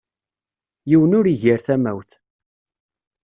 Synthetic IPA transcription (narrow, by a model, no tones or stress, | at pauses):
jiwənʊɾiʝəɾθæmæwθ